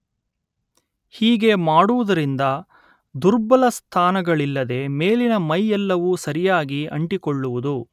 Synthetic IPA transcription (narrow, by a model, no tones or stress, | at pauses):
hiːɡe̞maːɽuʋud̪ɐɾind̪ɐ | d̪uɾbɐlɐst̪ʰaːnɐɡɐɭilːɐd̪e̞me̞ːlinɐmɐjɛlːɐʋusɐɾijaːɡiɐ̰ɳʈikoɭːuʋud̪u